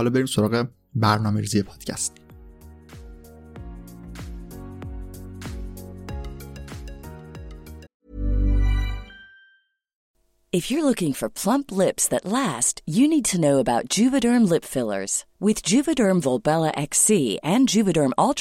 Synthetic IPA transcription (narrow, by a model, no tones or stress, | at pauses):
lɔbeɾiːmsoɾɒːɣe | bæɾnɒːmeɾiːzijepʰɒːd̪̥cʰæ̰st̪ | ɨfjə˞lʊkɪ̃ŋfə˞pʰl̥ʌ̃mpʰlɪpsðɨtˡlæstjɨnid̚tʰɨnoʊəbaʊt̚d̥d͡ʒ̥ʉvɨɾɜ˞mlɪpfɪlˠə̰˞z̥wɪðd͡ʒʉvɨdɜ˞mvolˠbɛlˠəʔɛksiɨ̃nd͡ʒʉvɨɾɜ˞mɔlˠtʰ